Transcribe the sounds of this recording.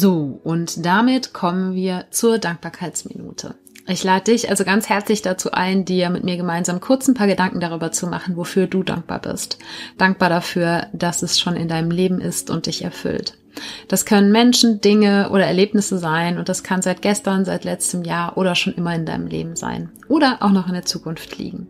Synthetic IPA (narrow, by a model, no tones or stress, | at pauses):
zoːʔʊntd̥amɪtkʰɔmənviːɐt͡suːɐdaŋk̚b̥aːɐkʰaɪt͡smḭnṵːtʰə̰ | ʔɪçlaːdədɪçʔa̰lzoɡant͡shɛɐt͡slɪçd̥at͡suːʔa̰ɪndiːɐmɪtmiːɐɡəmaɪnzaːmkʰʊɐt͡snpʰaːɐɡədaŋkŋ̩daʁ̞yːbɐt͡suma̰χn̩vofyːɐduːda̰ŋk̚b̥a̰ːɐbɪ̰std̥aŋk̚b̥aːɐɾafyːɐd̥asɛsʃoːnɪ̰ndaɪnəmleːbm̩ʔɪ̰stʊ̰nt̚d̥ɪçɛ̰ɐfʏ̰lt | d̥askʰœnənmɛnʃn̩dɪŋəʔo̰ːɾɐɛɐleːpnɪsəzaɪnʊnt̚d̥askʰanzaɪt̚ɡ̥ɛstɐnzaɪtlɛt͡stəmjaːɐʔoːɾɐʃoːnʔɪmɐɪnda̰ɪnəmlḛːbm̩za̰ɪnʔoːɾɐʔa̰ʊxnɔχɪndeːɐt͡suːkʰʊnftʰlḭːɡŋ̩